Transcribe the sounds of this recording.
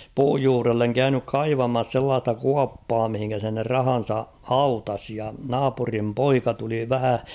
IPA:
puːj juːrelːeŋ kæynyk kɑiʋɑmɑs selːɑːstɑ kuɑpːɑː mihiŋkæ se ne rɑhɑn̞sɑ hɑutɑs jɑ nɑːpurim poikɑ tuli ʋæhæ

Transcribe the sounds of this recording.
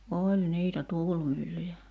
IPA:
olʲ niːtæ tuːlmylːyjæ

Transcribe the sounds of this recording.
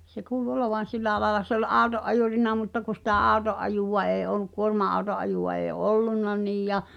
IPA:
se kuːlu oloʋɑn̞ silːæ ɑlɑlɑ se ol ʔɑˑu̞toʔ ʔɑjuˑrinɑ mutːɑ ku sĭtæ ʔɑˑu̞toʔ ʔɑjuˑʋɑ eː olˑuk kuormɑɑu̞toʔ ʔɑjuˑw̆ɑ eː olːunːɑ niːj jɑ

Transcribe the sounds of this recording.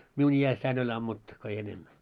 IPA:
miun iæsːæin olʲ ɑmːutːu ko ei enemːæ

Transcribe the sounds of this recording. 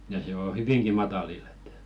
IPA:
jɑ se o hyʋiŋki mɑtɑlilː e̥t

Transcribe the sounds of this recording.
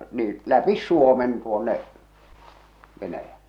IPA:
niːĩ læpis suomen tuonːe ʋenæjælːe

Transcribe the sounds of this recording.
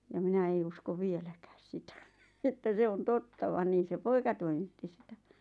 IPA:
jɑ minæ ei usko ʋielækæːs sitæ etːæ se on totːɑ ʋɑn niːn̞ se poikɑ toimitːi sitæ

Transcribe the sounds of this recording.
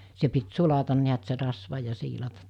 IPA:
se pit sulɑtɑn niæt se rɑsʋɑ jɑ siːlɑtɑt

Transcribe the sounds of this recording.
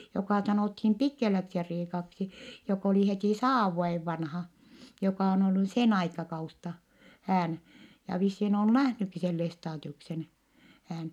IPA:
jokɑˑ sɑnoˑthim pikːelæksiriːkɑksi jok oli hetiˑ sɑːʋ ʋuojeʋ ʋɑnhɑ jokɑˑ on olːu sen ɑikɑkɑus tɑ hæːn jɑ ʋisːiːn on næhnykːi sen lestɑːdiuksen hæːn

